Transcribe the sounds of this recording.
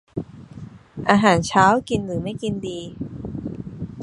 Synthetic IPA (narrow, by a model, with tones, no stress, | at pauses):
ʔaː˧ɦaː˩˦nt͡ɕʰaː˦˥wki˧nɾɯː˩˦ma˥˩jki˧ndiː˧